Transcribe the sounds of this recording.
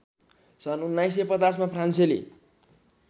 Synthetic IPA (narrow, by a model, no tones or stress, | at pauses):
sʌnunːajs̬epʌt͡sas̬mapʰranselḭ